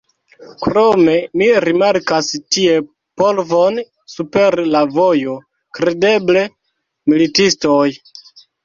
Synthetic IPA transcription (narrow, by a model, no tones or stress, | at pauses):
kɾome̞miɾimaɾkastie̞ | polvon | supe̞ɾlavojo | kɾe̞de̞ble̞ | militistoj